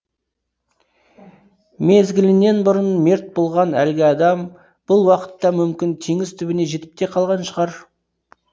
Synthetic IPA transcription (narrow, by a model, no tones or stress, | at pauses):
me̞zɡʲɪlɪne̞nbʊɾənme̞ɾt̪̚bolˠʁɑnæ̰lɡʲɪɑd̪ɑm | b̥ʊlˠwɑqə̥t̪ːɑmʏmkʲɪnt̪ʰeŋɪzt̪ʰʏbɪne̞ʒe̞t̪ɪ̥p̚t̪e̞qʰɑlˠʁɑnʃəʁɑɾ